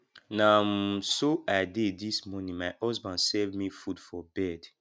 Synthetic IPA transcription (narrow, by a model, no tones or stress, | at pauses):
nãmsoʔadedismɔnĩŋmahɔsbãnsɛvmifudfɔbɛd